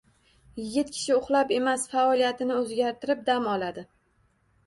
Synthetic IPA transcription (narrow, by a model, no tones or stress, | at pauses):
jɪɡʲɪt̪̚kʲʰɪ̥ʃɪʊχlˠape̞masfaɒlijat̪ɪnɪɵzɡʲaɾt̪ʰɪɾɪp̚d̪amɒlad̪ɪ